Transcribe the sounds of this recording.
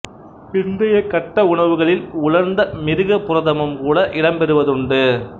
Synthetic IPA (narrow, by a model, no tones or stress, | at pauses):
pɪnd̪ɐjɐkːɐʈːɐʊɳɐʋɯɣɐɭɪlʊɻɐɾnd̪ɐmɪɾɯɣɐpːʊɾɐðɐmɯmkuːɽɐʔɪɽɐmpɛɾɯʋɐðɯɳɖɯ